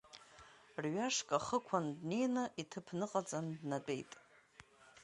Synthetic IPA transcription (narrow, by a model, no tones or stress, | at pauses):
rɥaʂkʼaχəkʷʰandne̞jnaʔitʰɨpʰnɨqʼad͡zʼandnat͡pʼe̞̰jtʼ